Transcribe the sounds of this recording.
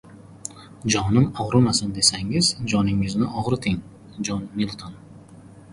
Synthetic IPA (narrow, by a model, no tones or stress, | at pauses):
d͡ʒɒnɪmɒʁɾʊmasand̪e̞saŋɪzd͡ʒɒnɪŋɪznɪʔɒʁɾɪt̪ʰɪŋ | d͡ʒɒnmilˠt̪ʰon